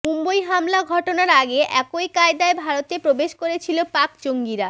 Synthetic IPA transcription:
umbojɦamlaɡʱɔʈonaɾaɡeʔɛkojkaed̪aebʱaɾot̪epɾobeʃkoɾet͡ɕʰilopakd͡ʑoŋɡiɾa

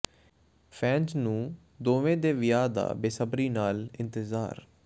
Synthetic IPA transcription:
pʰɛ̃ːnznũː | d̪oːʋẽːd̪eːʋɪjaːd̪a̰ːbeːsəbɾiːnaːlɪ̃nt̪əza̰ːɾ

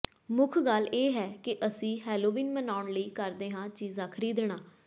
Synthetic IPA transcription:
mʊkʰɡalʔeːɦɛːkɪʔəsĩːɦɛːloːʋiːnmənaːʊɳləiːkəɾd̪eːɦãːt͡ʃiːzãːkʰəɾiːd̪ɳ̃aː

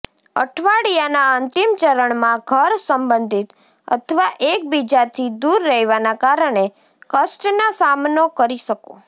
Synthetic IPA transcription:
ə̰ʈʰʋaɽijanaənt̪imt͡ʃəɾəɳmãɡʱəɾsəmbənd̪ʱit̪ | ə̰t̪ʰəʋaʔek̚bid͡ʒat̪ʰid̪uɾːəɦiʋanakaɾəɳe | kəʃʈnasamnokəɾiʃəko̰

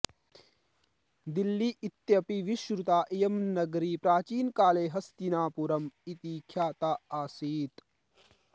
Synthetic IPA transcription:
d̪ilːiʔit̪jɐpiʋiʃɾut̪aːʔijɐmnɐɡɾipɾaːt͡ʃiːnkaːleːɦɐst̪inaːpuɾɐmit̪iːkʰjaːt̪aaːsiːt̪

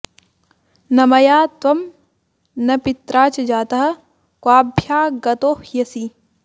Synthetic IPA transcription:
nɐmɐjaːt̪ʋɐm | nɐpit̪ɾaːt͡ʃɐd͡ʒaːt̪ɐɦɐ̆ | kwaːbʱjaːɡɐt̪oːhjɐsi

